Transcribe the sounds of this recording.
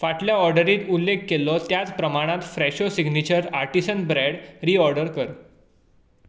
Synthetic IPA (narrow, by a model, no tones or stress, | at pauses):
faʈljaɔɾɖəɾiːt̪ulːekːelɔt̪jat͡spɾəmaɽ̃ãt̪fɾɛɕosiɡnit͡ɕəɾaɾʈisənbɾɛɽɾiːɔɾɖəɾkəɾ